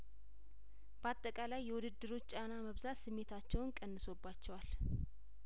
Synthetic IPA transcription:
b̥əat̪ʼːəkʼalajːɛwud̪ɨd̪ːɨɾo̞t͡ʃːt͡ʃʼanaməβzat̪sɨmːe̞t̪ʰat͡ʃːɛwnkʼənːɨso̞bːat͡ʃːɛwal

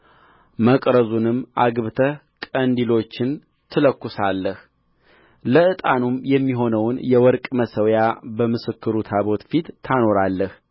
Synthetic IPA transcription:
məkʼɾəzunɨmːʔaɡβɨt̪ʰə | kʼənd̪ilo̞t͡ʃːɪn | t̪ʰɨləkːʊsalːəh | ləɨt̪ʼanumjɛmːiɦo̞nəwnjɛwɔɾkʼməsəwjabəmɨsɨkːɨɾut̪ʰaβo̞t̪fit̪ʰːano̞ɾalːəh

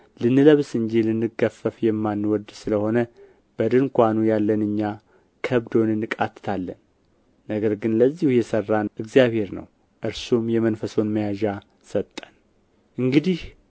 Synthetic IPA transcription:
lɨnːɨləβsɨnɲd͡ʒilɨnːɨɡəfːəfjɛmːanːwɔd̪sɨləho̞nə | b̥əd̪ɨŋkʷanujalːənɨɲːa | kʰəβd̪o̞nɨnːɨkʼat̪ʰːɨ̥t̪ʰalːənː | əɡəɾɡɨnləzːihujɛsərːanʔɨɡzijaβhe̞ɾnə̰w | ʔɨɾsumjɛmənfəso̞nməjaʒa | sət̪ʼːən | ʔɨŋɡɨd̪ih

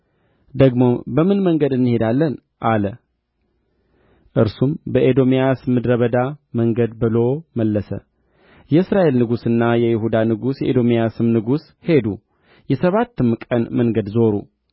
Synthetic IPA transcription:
d̪əɡmo̞bəmɨnməŋɡəd̪ɨnːɨhe̞d̪alːən | ʔalə | ʔɨɾsumbəʔed̪o̞mijasmɨd̪ɾəβəd̪aməŋɡəd̪bɨlo̞məlːəsə̰ | jɛɨsɾaʔe̞lnɨɡusɨnːajɛjɪhud̪anɨɡusjɛʔed̪o̞mijasɨmnɨɡus | he̞d̪u | jɛsəβat̪ːɨmkʼənməŋɡəd̪zo̞ɾṵ

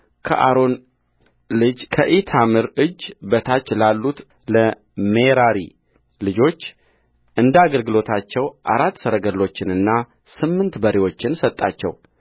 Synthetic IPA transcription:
kʰə̰ʔaɾo̞n | lɨd͡ʒkʰəʔit̪ʰamɨɾɨd͡ʒbət̪ʰat͡ʃːlalːut̪ | lə | meɾaɾḭ | lɨd͡ʒo̞t͡ʃː | ʔɨnd̪aɡəlɡɨlo̞t̪ʰat͡ʃːɛwʔa̰ɾat̪ːsəɾəɡəlːo̞t͡ʃːɪnɨnːa | sɨmːɨnt̪bəɾiwo̞t͡ʃːɪnsət̪ʼːat͡ʃːɛ̰w

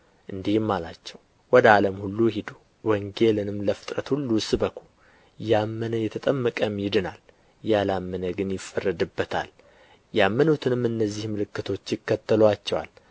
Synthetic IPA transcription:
ʔɨnd̪ihmːalat͡ʃːɛw | wɔd̪əaləmhulːuhid̪u | wɔŋɡe̞lɨnɨmləfɨ̥t̪ʼɾət̪hulːusbəkʰul | jamːənəjɛt̪ʰət̪ʼəmːəkʼəmjɪd̪ɨnal | jalamːənəɡɨnjɪfːərːəd̪ɨbːət̪ʰa̰l | jamːənut̪ʰɨnɨmːɨnːəzːihmɨlɨkːɨt̪ʰo̞t͡ʃːjɪkːət̪ʰːəlwat͡ʃːɛwa̰l

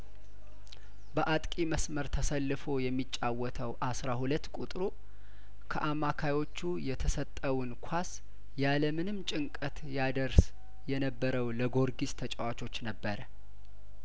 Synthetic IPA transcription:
bəʔat̪ʼkʼiməsməɾt̪ʰəsəlːɨfo̞jɛmːit͡ʃʼːawɔt̪ʰəwʔasɾahulət̪ːkʼut̪ʼɾu | kʰəʔamːakʰajwo̞t͡ʃːujɛt̪ʰəsət̪ʼːəwʊnkʷʰas | jaləmɨnɨmt͡ʃʼɪŋkʼət̪jad̪əɾs | jɛnəbːəɾəwləɡoɾɡist̪ʰət͡ʃʼəwat͡ʃo̞t͡ʃːnəbːəɾə

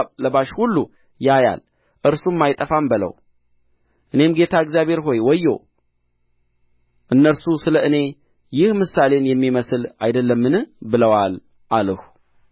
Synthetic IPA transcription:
ləβaʃhulːu | jaja̰l | ʔɨɾsumːajt̪ʼəfambələ̰w | ʔɨne̞mɡe̞t̪ʰaɨɡzjaβhe̞ɾɦo̞jwɔjːo̰ | ʔɨnːəɾsusɨləʔɨne̞ | jɪhmɨsalenjɛmːiməsɨlajd̪əlːəmːɨnbɨləwal | ʔaləhu

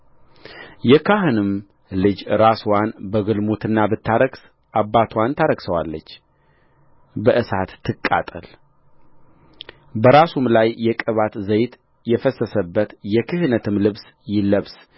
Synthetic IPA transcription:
jɛkʰaɦɨnɨm | lɨd͡ʒɾaswanbəɡɨlmot̪ʰɨnːabɨt̪ʰːaɾəɡs | ʔabːat̪ʰwant̪ʰaɾəɡsəwalːət͡ʃː | bəʔɨsat̪ʰːɨkʼːa̰t̪ʼəl | bəɾasumlajːɛkʼəβat̪zəjt̪ | jɛfəsːəsəbːət̪jɛkʰɨhɨnət̪ʰɨmlɨβs | jɪləβs

